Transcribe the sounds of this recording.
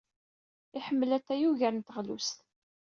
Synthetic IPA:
ɪħəmːəlæt̪ːæjuʝæɾnt̪əʁlṵst̪

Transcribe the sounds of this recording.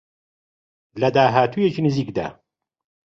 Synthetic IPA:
lɐd̪aːɦaːt̪ʰujet͡ʃʰiːnɨziːkd̪a̰ː

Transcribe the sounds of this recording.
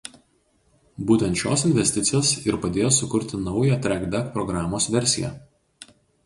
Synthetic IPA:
buːt̪ʲɛnt̪ʃʲo̰ːsɪnʲʋʲɛsʲt̪ʲɪt̪sʲɪjoːsɪɾpɐd̪ʲeːjoːsʊkʊɾʲt̪ʲɪnɒʊjæt̪ʲɾʲæɡbʲɛkpɾɔɡɾɑːmoːsʋʲɛɾʲsʲɪjæ̰

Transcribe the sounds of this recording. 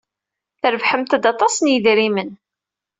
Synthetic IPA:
θəɾvħəmt̪əd̪ɑt̪ˤɑsənjəðɾimən

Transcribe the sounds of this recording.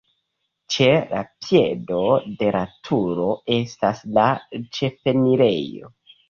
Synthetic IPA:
t͡ʃe̞la̰pje̞do̞de̞ɾatʰuɾo̞e̞staslat͡ʃe̞fe̞niɾe̞̰jo̞̰

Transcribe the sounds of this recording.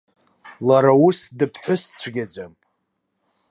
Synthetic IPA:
laɾausdɨpʰħʷʊst͡ɕʷʰɡʲad͡ʒam

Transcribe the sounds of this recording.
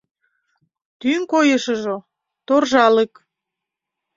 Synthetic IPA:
t̪yŋkojəʃəʒo | t̪orʒɑlek

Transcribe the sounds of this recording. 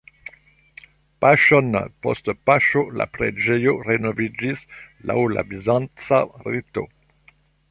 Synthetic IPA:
paʃɔnpɔ̰stpaʃola̰pɾed͡ʒejoʁenovid͡ʒisla̰wla̰bizãnt͡sarit̪o̰

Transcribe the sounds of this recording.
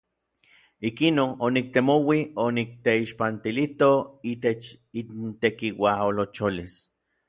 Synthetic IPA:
ikinononik̚t̪emowionik̚t̪eiʃpant̪ilit̪oiːt̪et͡ʃ | int̪ekiwaolot͡ʃolis

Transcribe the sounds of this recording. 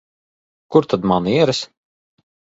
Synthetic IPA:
kuɾt̪ad̪maniɛɾɛs

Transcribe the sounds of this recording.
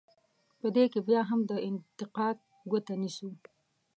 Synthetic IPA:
pəd̪ekebjɑɦamd̪əɪnt̪ɪqɑd̪̚ | ɡot̪anisu

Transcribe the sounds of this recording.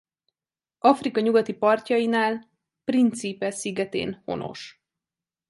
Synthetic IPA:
ɒfrikɒɲuɡɒt̪ipɒrcɒjinaːl | print̪sipɛsiɡɛt̪ḛːnho̞̰no̞̰ʃ

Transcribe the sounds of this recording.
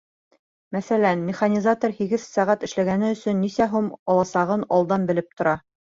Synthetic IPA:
mæθælænmʲɪχanʲizat̪ŏrhiɡɘðsæʁæt̪ɘ̆ʃlæɡænɘɵ̆sɵnːisæɦumɒlˠɑsɑʁɤnɑlˠd̪ɑnbɘ̆lɘp̚t̪ŏɾɑ

